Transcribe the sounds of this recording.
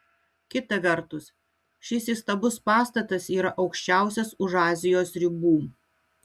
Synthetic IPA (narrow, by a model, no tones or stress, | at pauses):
kʲɪt̪ɐʋʲɛɾt̪ʊs | ʃʲɪsiˑst̪ɐbʊspɑːst̪ɐt̪ɐsiːɾɐʔɒʊkʃʲt͡ʃʲæˑʊsʲɛsʊʒɑːzʲɪjoːsɾʲɪbuː